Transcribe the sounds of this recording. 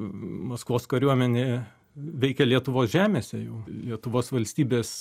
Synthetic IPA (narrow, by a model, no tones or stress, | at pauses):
mɐskʋoːskɐɾʲuɔmʲɛnʲeː | ʋʲɛɪkʲɛlʲiɛt̪ʊʋoːsʒʲæːmʲeːsʲɛjɛʊlʲiɛt̪ʊʋoːsʋɐlʲsʲt̪ʲiːbʲeːs